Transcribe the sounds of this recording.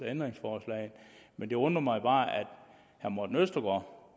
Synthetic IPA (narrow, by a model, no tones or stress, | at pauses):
ɐend̥ʁeŋsfɒːslɛ̰ɪnmend̥e̝ɔ̽nd̥ʁɐmɑ̈ɪb̥ɑ̈ːæd̥ | hæmɒd̥n̩øsd̥ɐɡ̥ɒ